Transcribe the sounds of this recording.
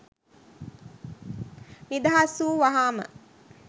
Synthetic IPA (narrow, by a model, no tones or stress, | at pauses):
nid̪aɦasuːʋaɦaːmə̰